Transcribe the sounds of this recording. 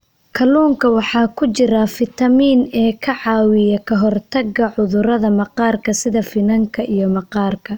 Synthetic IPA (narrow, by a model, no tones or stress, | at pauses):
kʰɐluːŋkʰɐwɑħɑːkʰʊt͡ʃɪɾɐfɪt̪ʰɐmiːnɛːkʰɐʕɑːwɪjɐkʰɐɦɔrt̪ʰɐɡɐʕʊðʊɾɐðɐmɐqɑːrkʰɐsɪðɐfɪnɐŋkʰɐʔijɞmɐqɑːrkʰɐ